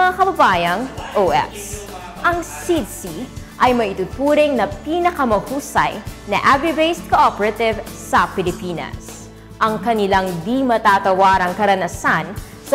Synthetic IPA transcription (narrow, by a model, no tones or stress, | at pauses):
ŋakɐbɐbaːjɐŋʔoʔɛ̰s | ʔɐŋsid̪siʔɐjmɐʔɪt̪ʊt̪uːɾɪŋnɐpiːnɐkɐmɐhuːsɐ̰jnɐʔavibejst̪̚koʔopɛɾɐt̪ɪvsɐpɪlɪpiːnɐ̰s | ʔɐŋkɐnɪlaŋd̪imɐt̪aːt̪ɐwaːɾɐŋkɐɾɐnɐsan | s